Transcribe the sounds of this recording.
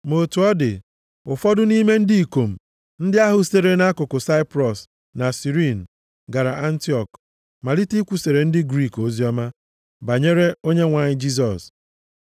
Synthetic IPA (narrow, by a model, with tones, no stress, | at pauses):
mo˨tu˨ɔ˦dɪ̰˨ | ʊ˨fɔ˦dʊ˦ni˦me˦n̩˦di˦i˨ko˨m̩˨ | n̩˦dɪ˦a˦ɦʊ˨se˨ɾe˦na˦kʊ˨kʊ˨sa˦ɪ˦pɾɔ˨s | na˨si˨ɾi˦˨n̩˨ | ɡa˨ɾa˨ʔa˦n̩˦ti˦ɔ˨k | ma˨li˦ti˦kʷu˨se˨ɾe˨n̩˦dɪ˦ɡɾi˦˨ko˦zi˦ɔ˦ma˦ | ba˨ɲe˦ɾe˦o˦ɲe˦ŋʷa˨ɲɪ˦d͡ʒi˦s̬ɔ˨s